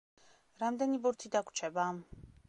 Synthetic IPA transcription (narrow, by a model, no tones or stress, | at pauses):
ɾamd̪ɛnibuɾt̪ʰid̪akʷʰt͡ʃʰɛba